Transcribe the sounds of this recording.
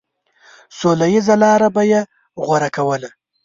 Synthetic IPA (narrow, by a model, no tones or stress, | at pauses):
solajizalɑɾabaje | ɣwaɾakawəla